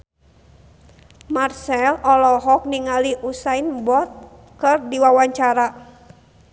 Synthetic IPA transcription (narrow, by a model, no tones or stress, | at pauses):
marsɛlɔlɔɦɔk̚niŋaliʔusainbɔt̪̚ | kɨrdiwawaɲt͡ʃaɾa